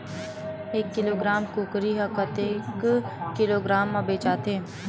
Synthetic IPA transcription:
eːkːɪloːɡɾaːmkuːkɾiɦɐkət̪eːkːɪloːɡɾaːmːabeːt͡ʃaːt̪eɦɛ̃

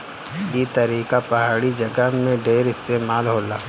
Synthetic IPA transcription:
jeːt̪ɐɾiːkapɐɦaːɽid͡ʒɐɡəɦmẽɖeːɾɪst̪eːmaːlɦoːla̰ː

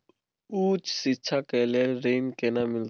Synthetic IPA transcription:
ut͡ʃʰsit͡ʃʰakɛlɛrejnkɛnamil

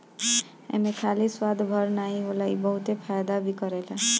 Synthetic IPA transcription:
ḛmekʰaliswad̪ʱbʱʌɾnajɦolajbʌɦut̪epʰajd̪abikʌɾela

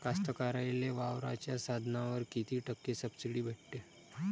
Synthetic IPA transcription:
kast̪əkaɾajleʋaʋɾa̰t͡ɕjasad̪ʱnaʋəɾkit̪ʰiːʈəkːesəbsiɽiːbʱeʈt̪e

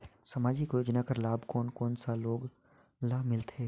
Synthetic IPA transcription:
sɐmaːd͡ʒɪkjoːd͡ʒnakəɾlaːbkoːnkoːnsaloːɡ | laːmɪlt̪ʰeː

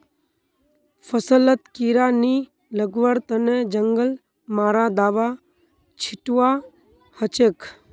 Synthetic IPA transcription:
fʰəsələt̪kiːɾaːni | ləɡʋəɾt̪əned͡ʒəŋɡəl | maːɾad̪aːʋa | t͡ʃʰɪʈwa | hət͡ʃeːkʰ

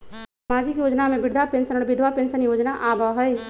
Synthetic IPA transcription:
smaːd͡ʒɪkjoːd͡ʒnamẽbɪɽd̪ʱapẽnsənɔːɾbɪd̪ʱwapẽːnʃənjoːd͡ʒnaʔaːbʱaːɦəi

